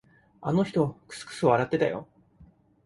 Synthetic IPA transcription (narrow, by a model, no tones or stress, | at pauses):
a̰no̞çi̥t̪okɯ̥sɨ̥kɯ̟̥sɨoaɾat̪ːe̞t̪ajo̰